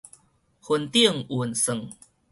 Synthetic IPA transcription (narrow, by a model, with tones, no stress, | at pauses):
hu˨˩nt̪i˥˧əŋʔu˨˩nsə˨˩ŋ